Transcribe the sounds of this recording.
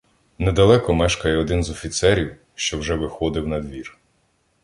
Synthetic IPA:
nɛd̪ɐlˠɛkɔmɛʃkɐjɛɔd̪ɪnzɔfʲit̪sɛɾʲiw | ʃt͡ʃɔwʒɛʋɪxɔd̪ɪwnɐd̪ʋʲir

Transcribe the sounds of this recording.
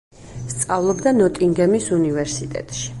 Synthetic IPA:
st̪sʼavlˠɔbd̪anɔt̪ʼiŋɡɛmisunivɛɾsit̪ʼɛ̰t̪ʼʃi̥

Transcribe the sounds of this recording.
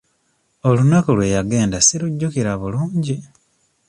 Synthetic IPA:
olunakolwe̞jaɡe̞ːndasiluɟːukiɾaβuluːɲɟi

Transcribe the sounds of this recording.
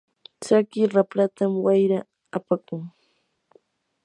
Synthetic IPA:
t͡sakɪɾapɾat̪amwajɾaː | pakʊŋ

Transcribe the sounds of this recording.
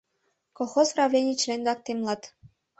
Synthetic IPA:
koxosrɑvlʲenʲit͡ɕlenʲd̪ɑk̚t̪emlˠɑt̪

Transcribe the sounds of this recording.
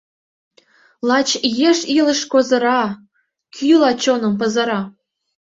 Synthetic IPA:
lˠɑt͡ɕjeʃilə̆ʃkozɤ̆ɾɑ | kʲʰylɑt͡ɕonɤ̆mp̬ɤ̆zɤ̆ɾɑ

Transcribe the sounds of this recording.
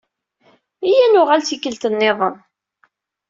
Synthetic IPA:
ijænʊʁalt͡sikːəlt̪ənːeðˤən

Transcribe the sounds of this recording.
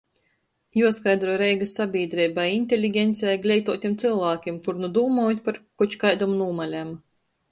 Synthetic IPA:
juɔskajd̪ɾɔjɾɛjɡasabʲiːd̪ɾɛjbajinʲt̪ʲelʲiɡʲɛnt̪sʲɛjɡlʲɛjt̪uɔt̪ʲimt̪sɨlˠvaːkʲimt̪uɾnud̪uːmɔːjt̪̚ʲpaɾkut͡ʃkajd̪umunuːmalʲam

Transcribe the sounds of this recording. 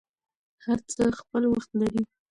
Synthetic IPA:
haɾt͡səxpəlwaxt̪laɾi

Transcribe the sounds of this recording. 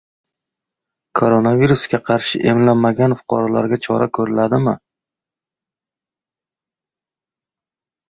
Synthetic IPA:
kʰoɾonaviɾusɡʲaqʰɑɾʃɪ̰ʔe̞mlamːaɡʲanfʊ̥qʰɒ̰ɾala̰ɾɡʲat͡ʃʰɒ̰ɾʔa̰kʰɵɾɪlad̪ɪmɪ

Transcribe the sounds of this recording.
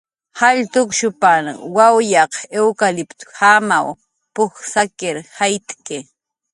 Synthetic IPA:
haʎt̪ʊkʃʊpanwawjɑqewkalɪpt̪ʊ̥hamaw | pʊxsakɪɾhajt̪kɪ

